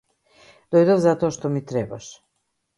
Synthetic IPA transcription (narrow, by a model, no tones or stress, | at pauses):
d̪̥ojd̪ovzat̪oʃt̪omit̪ɾebaʃ